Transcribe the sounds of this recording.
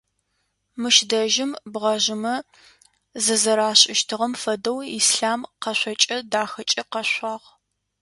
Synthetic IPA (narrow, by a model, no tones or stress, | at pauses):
mɨʃdɐʒɪmbʁɐʒɪmɐ | zɨzɐɾaːɕʼɪʃtʰɨʁɐmfɐdɐwiːsɬaːmqɐɕʷɔt͡ʃʼɐdaːxɐt͡ʃʼɐqɐɕʷɑːʁ